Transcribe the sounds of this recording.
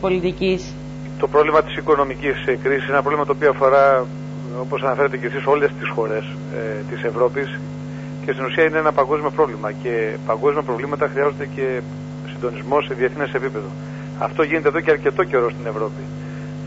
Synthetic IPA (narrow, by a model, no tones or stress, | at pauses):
polit̪icis | t̪o̞pɾo̞vlimɐt̪i̥siko̞no̞miciskɾisisenɐp̬ɾo̞vlimɐt̪opioɐfo̞ɾɐ | o̞po̞sɐnɐfe̞ɾet̪e̞cesiso̞le̞st̪isxo̞ɾe̞s | t̪ise̞vɾo̞pis | ce̞st̪inusiɐineenɐpɐŋɡo̞zmio̞pɾo̞vlimɐce̞pɐŋɡo̞zmiɐpɾo̞vlimɐt̪ɐxɾiɐzond̪ece̞ | sind̪o̞nizmo̞se̞ðieθinesepipe̞ðo̞ | ɐ̰ft̪o̞ʝine̞t̪eðoceɐɾce̞t̪o̞ce̞ɾo̞st̪ine̞vɾo̞pi